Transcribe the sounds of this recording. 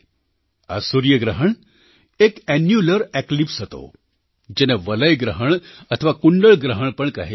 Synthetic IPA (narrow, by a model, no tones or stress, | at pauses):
a̰suɾjəɡɾəɦəɳ | ekɛnjuləɾɛklipsɦot̪o̰ | d͡ʒeneʋələjɡɾəɦəɳ̃ɐt̪ʰəʋakuɳɖəɭɡɾəɦəɳ̃pəɳkɐ̰ɦe